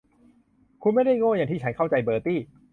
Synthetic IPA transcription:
kʰu˧nma˥˩jda˥˩jŋoː˥˩jaː˨˩t̪ʰiː˥˩t͡ɕʰa˦˥nkʰa˥˩wt͡ɕa˧jbɤː˧t̪iː˥˩

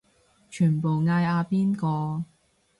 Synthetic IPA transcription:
t͡ʃʰyː˨˩npo˨wŋaː˧jaː˧piː˥nkɔː˧

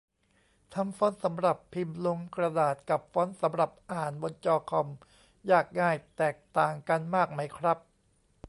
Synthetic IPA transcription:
t̪ʰa˧mfɔː˦˥nsa˩˦mɾa˨˩pʰːi˧mlo˧ŋkɾa˧daː˨˩t̪̚ka˨˩p̚fɔː˦˥nsa˨˦mɾa˨˩p̚ʔaː˨˩nbo˧nt͡ɕɔː˧kʰɔ˧m | jaː˨˩k̚ŋaː˥˩jt̪ɛː˨˩k̚t̪aː˨˩ŋka˧nmaː˥˩k̚ma˦˥jkʰɾa˦˥p̚

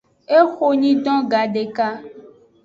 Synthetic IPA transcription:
e˦xo˦ɲĩ˦ɖɔ̃˦ɡa˨ɖe˨ka˦

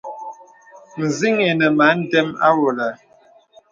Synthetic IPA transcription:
n̩˨zi˦ŋe˨nə˨ma˨˦n̩˦dɛ˦ma̰˦wo˨la˨

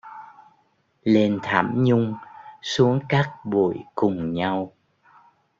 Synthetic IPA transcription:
le˧nt̪ʰa̰ː˧˩mɲʊ˧ŋ͡msu˨˦əŋkaː˦˥k̚ɓṵ˧˩˨jkʊ˨˩ŋ͡mɲa˧w

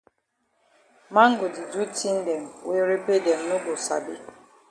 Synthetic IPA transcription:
ma˦ŋ̩˦ɡo˨di˨d͡ʒu˦ti˦n̩˦de˨m̩˨we˦ɾe˦pe˦de˨m̩˨˦o˦bo˨sa̰˨bɪ˦

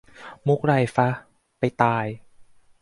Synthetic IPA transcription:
mu˦˥k̚ɾa˧˩jfa˦˥ | pa˧jt̪aː˧j

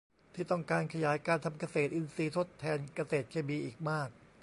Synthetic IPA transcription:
t̪ʰiː˥˩t̪ɔ˥˩ŋkaː˧nkʰa˧jaː˩˦jkaː˧nt̪ʰa˧mka˧seː˨˩t̪ʔi˧nsiː˧t̪ʰo˦˥t̪ʰːɛː˧nka˧seː˨˩t̪̚kʰeː˧biː˧ʔiː˨˩k̚maː˥˩k̚

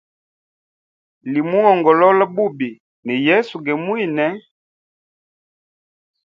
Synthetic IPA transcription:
li˨mu˦ŋɔ˨ŋɡɔ˨lɔ˦la˦bu˦bi˨ | nɛ˨jɛ˦su˨ɡɛ˨mwi˦˨nɛ˨˦

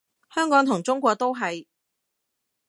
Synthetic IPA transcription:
hœː˥ŋkɔː˨˥ŋt̪ʰʊ˨˩ŋt͡sʊ˥ŋkʷɔː˧k̚t̪o˥wɦɐ˨j

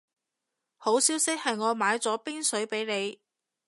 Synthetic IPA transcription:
ho˨˥wsiː˨˥wsɪ˥k̚hɐ˨jŋɔː˨˧maː˨˧jt͡sɔː˨˥piː˥ŋsɵ˨˥ɥpe˨˥jne˨˧j

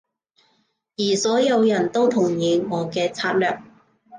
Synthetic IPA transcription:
jiː˨˩sɔː˨˥jɐ˨˧wjɐ˨˩nt̪o˥wt̪ʰʊ˨˩ŋjiː˨˧ŋɔː˨˧kɛː˧t͡sʰaː˧t̚lœː˨˩k̚

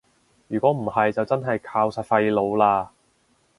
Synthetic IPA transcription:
jyː˨˩kʷɔː˨˥m̩˨˩hɐ˨jt͡sɐ˨wt͡sɐ˥nɦɐ˨jkʰaː˧wsaː˨˩t̚fɐ˧jlo˨˧wlaː˧

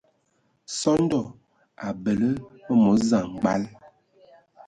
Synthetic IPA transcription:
sɔ˦n˦dɔ˨ | a˨bə˨lə˦ə˦mɔ˨˦za˨ŋ˨ɡ͡ba˦l

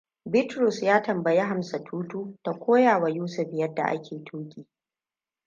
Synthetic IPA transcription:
bɪ˦tɾʊ˨sjaː˦tɐ˨mbɐ˨je˦ɦa˨msa˨tʰuː˦tuː˦ta˨kʷʰoː˦jaː˨wa˨juː˦sʊ˨ɸjɐ˦dːa̰˨ʔa̰˦kʲʰeː˨tʰoː˦kʲʼiː˨

